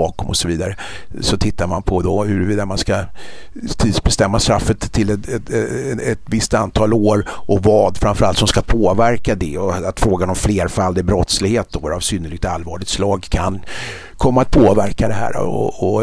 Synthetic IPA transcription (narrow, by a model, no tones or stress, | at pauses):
ɑːkɔmɔ̰sɔviːd̪aɾə | sɔt̪ʰɪt̪ːaɾmanpʰɔd̪ɔhɵɾviːd̪amanska | t̪ʰid̪sbɛst̪ɛmːast̪ɾafːət̪ʰːɪlɛɛɛt̪vɪst̪ant̪ʰɑːloːɾʔɔvɑːd̪fɾamfœɾalt̪sɔmskapʰoːvæɾkad̪ɛɔat̪fɾoːɡanɔmfleːɾfalːd̪ɪbɾɔt̪slɪɡheːt̪̚d̪ɔɾavsʏnːəɭɪɡ̚t̪alvɑːɭɪɡt̪slɑːɡkʰan | kʰɔmːat̪̚pʰoːvæɾkad̪ɛɦæ̰ːɾ̰ɔ̰ɔ